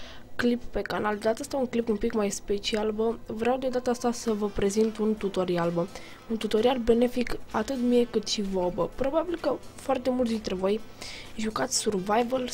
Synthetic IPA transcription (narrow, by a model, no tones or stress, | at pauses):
klipːe̞kanald̪at̪əst̪auŋklipunpikmajspe̞t͡ʃialbəvɾeawd̪e̞d̪at̪əast̪asəvəpɾe̞zint̪unt̪ut̪o̞ɾialbə | unt̪ut̪o̞ɾialbe̞ne̞fikat̪ɨt̪mije̞kɨt̪ʃivobəpɾo̞babilkəfoart̪e̞mult̪d̪int̪ɾe̞vo̞jʒukat̪sʲsurvajvəl